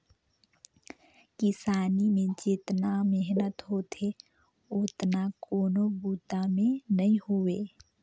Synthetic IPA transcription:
kɪsaːnimẽd͡ʒet̪nameɦnət̪ɦot̪ʰe | ʊt̪nakoːnobuːt̪amẽnəɦĩhoeː

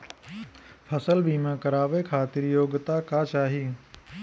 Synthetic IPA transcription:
pʰəsəlbʱiːmãːkəɾaːʋekʰaːt̪ɪɾjoːɡt̪akaːt͡ʃaːɦiː

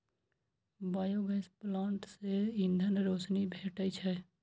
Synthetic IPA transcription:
baːjoɡəsplãːɳʈseɪ̃nd̪ʱənɾoːsnibʱeːʈət͡ʃʰɛ

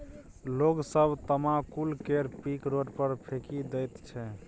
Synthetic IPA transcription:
loɡsəbʱt̪əmakulkeɾpikɾoɖpəɾpʰekid̪ɛjt̪t͡ʃʰɛ

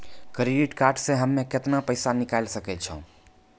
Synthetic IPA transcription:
kɾeɖiʈkaɾɖsẽɦəmːeket̪napəɪsanikaɪlsəkɛt̪t͡ʃʰə̰̃

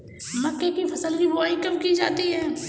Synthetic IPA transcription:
mɐkːekifʰɐsəlkiboaikɐmkid͡ʒa̰ːt̪iɦɛː

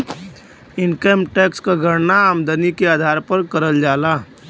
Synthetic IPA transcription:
ɪnkemʈeːkskaɡʱəɾnaamd̪ʱənikeaːd̪ʱaːɾpəɾkɐɾəld͡ʒaːlaː

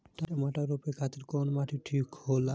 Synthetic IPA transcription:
t̪aɾemaʈaɾopekʰat̪eɾkɔnmaʈiʈʰikhola

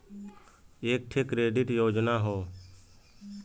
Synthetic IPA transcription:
eːk̚ʈʰekɾeːɖɪʈjoːd͡ʒnaːɦoː

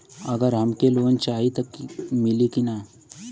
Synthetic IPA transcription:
ɐɡəɾɦɐmkeloːnt͡ʃaːɦit̪ɐkmɪlikina

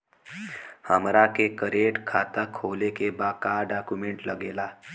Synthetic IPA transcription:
həmɾakekəɾeʈkʰat̪əkʰowlekebakaɖakumeɳʈləɡela

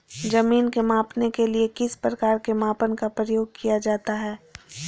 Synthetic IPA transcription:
d͡ʒɐmiːnkemãːpnekeliekɪspɾɐkaːɾkemaːpənkapɾəjoːɡ̚kʰijad͡ʒaːt̪aɦɛː

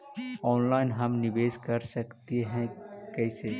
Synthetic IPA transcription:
ɔːnlaːɪnɦɐmnɪbeːskɐɾsɐkt̪eɦɛ̃kɛːseː

